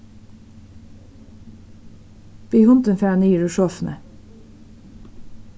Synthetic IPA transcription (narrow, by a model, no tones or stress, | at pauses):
b̥iːhʊnt̪ənfæːnəjiːɖʉːʃɔfnə̰